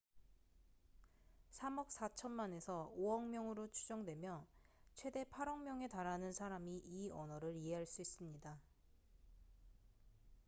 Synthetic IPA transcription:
sʰamʌk̚s͈at͡ɕʰʌnmane̞sʰʌoʌŋmjʌŋɯɾot͡ɕʰud͡ʑʌŋdwe̞mjʌt͡ɕʰwe̞de̞pʰaɾʌŋmjʌŋe̞taɾanɯnsʰaɾamiʔiʌnʌɾɯɾie̞ɦaɭs͈uis͈ɯmɲida

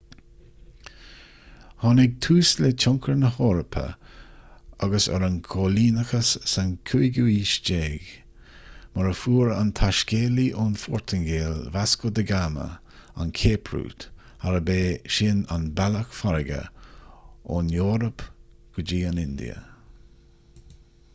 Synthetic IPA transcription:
hɔnɪɡ̚t̪ʰuːslɪt͡ʃʰʊŋkʰəɹnəhɔːɾəpʰə̰ | aɡəsə̰ɾənkʰoːliːnəxəsːankʰuiɡuiːʃd͡ʒeːɡ | məɾəfuːɹa̰nt̪ʰaʃkeːliʔʊnfɔːɹt̪ʰəŋɡeːlvaskod̪əɡamə̰ | a̰nkʰeːpʰɹṵːt̪ | haɾəbeːʃɪnanbɛləxfaɾɪɡə̰ | ʊnjoːɾəpɡ̥əd͡ʒiːanɪnd̪ḭə̰

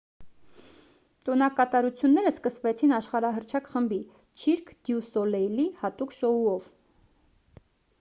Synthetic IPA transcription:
t̪ɔnɑkɑt̪ɑɾut͡sʰjunːɛɾəskəsvɛt͡sʰinɑʃχɑɾɑɦəɾt͡ʃʰɑkχəmbi | t͡ʃʰiɾkʰd̪̥jusɔlɛjlihɑt̪ukʃɔuɔv

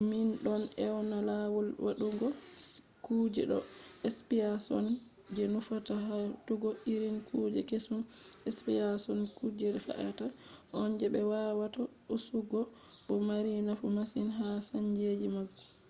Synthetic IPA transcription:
minɗɔnɛwnalawɔlwaɗuŋɡɔ | kud͡ʒɛ̰ɗɔɛspiasɔ̰n | d͡ʒɛnufataɦatuɡɔiɾinkʰud͡ʒɛkesum | ɛspiasɔnkud͡ʒɛɗɛfa̰ʔa̰taʔɔnd͡ʒɛbɛwawata | usuɡɔ | ɓɔmaɾinafumasinɦasand͡ʒed͡ʒimaɡːɔ

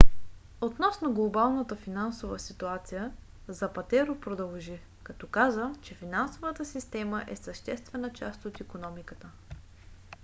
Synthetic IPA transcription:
ot̪nɔsnoɡlˠobalˠnət̪əfinansovə̰sit̪uat̪sijə | zɐpɐt̪ɛɾopɾod̪ɐlˠʒi | kɐt̪ɔkazət͡ʃɛfinansovət̪əsist̪ɛməʔɛsɐʃt̪ɛst̪vɛnət͡ʃa̰st̪ot̪ikonɔmikət̪ə

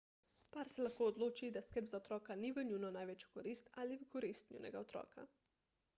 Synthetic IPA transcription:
paɾsɛlaxkoːɔd̪loːt͡ʃid̪askɛbzaot̪ɾɔːkaniʋənʲunɔnaːjʋeːt͡ʃjo̥kɔɾist̪aːliʋəkoɾist̪nʲṵːnɛ̰ɡaot̪ɾɔ̰ːka̰

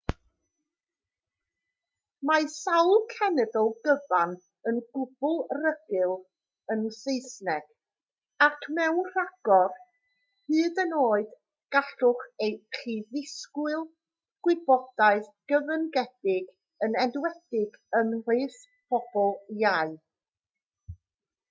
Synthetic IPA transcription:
masawlˠkʰɛnɛdɔlˠɡəvan | ənɡ̥ʊb̥ʊlˠrəɡɨlˠ | ənsejsnɛɡ̥ | akʰmɛwnr̥aɡ̥ɔr | hɨːdənoːɨd̥ | ɡ̥aɬʊχejχiðɪskwɨlˠ | ɡ̥wɪbɔd̥aɨðɡ̥əvənɡɛd̥ɪɡ | ənɛdwɛd̥ɪɡənrɨθ | pʰɔb̥ɔlˠjaɨ

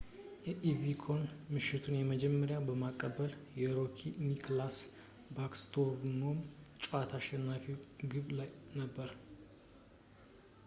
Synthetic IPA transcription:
jɛʔivikʰonmɨʃɪt̪ʰunjɛməd͡ʒɛmːəɾjabəmakʼːəbəljɛɾokʰinikʰlas | bakst̪ʰoɾvnomt͡ʃʼuat̪ʰaʃːɛnːafiwɡɨβlajnəbːəɾ

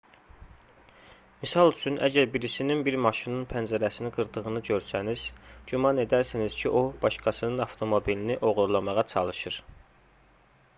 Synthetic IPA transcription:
misɑlˠyt͡ʃʰynʔæ̰ɟæɾbiɾisininbiɾmɑʃinɯnpʰænd͡ʒæɾæsiniɡɯɾd̪ɯʁɯnɯɟø̞ɾsæniz̥ɟymɑne̞d̪æɾsiniz̥cʰiʔobɑʃkɑsɯnɯnɑft̪ʰo̞mo̞biliniʔo̞ʁuɾlˠɑmɑʁɑt͡ʃʰɑlˠɯʃɯɾ

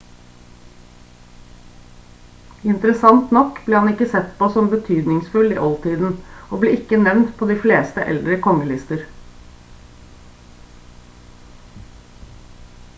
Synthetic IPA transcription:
ɪnt̪əɾəsɑnt̪nɔkbleːhɑnɪkəsɛt̪pʰoːsɔmbət̪ʰyːd̪nɪŋsfʉlḭːʔɔlt̪ʰiːd̪n̩ʔoːbleːɪkənɛʋnt̪pʰoːd̪iːfleːst̪əʔɛ̰ld̪ɾəkʰɔŋəlɪst̪əɾ

